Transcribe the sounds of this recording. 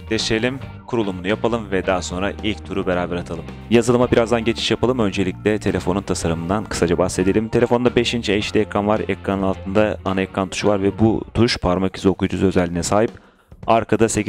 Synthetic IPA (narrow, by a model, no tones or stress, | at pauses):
d̪eʃelʲim | kʰuɾulˠumunujapalˠɯmvɛd̪aɦso̞nɾaʔilʲct̪ʰuɾube̞ɾaːbɛɾat̪ʰalˠɯm | jazɯlˠɯmabiɾazd̪anɟe̞t͡ʃʰi̥ʃjapʰalˠɯmø̞nd͡ʒe̞lʲiclʲɛt̪ʰe̞lʲe̞fo̞nunt̪ʰasaɾɯmɯnd̪ankʰɯ̥sad͡ʒabahse̞d̪e̞lʲimt̪ʰe̞lʲefo̞nd̪abeʃint͡ʃʰɛʃlʲiɛkɾanvaɾɛkɾanɯnnalˠt̪ʰɯnd̪aanaɛkɾant̪ʰu̥ʃvaɾvɛbut̪ʰuʃpʰaɾmacʰi̥zokujd͡ʒuzø̞zɛlʲːinɛsaːɦip̚ | aɾkʰad̪ase̞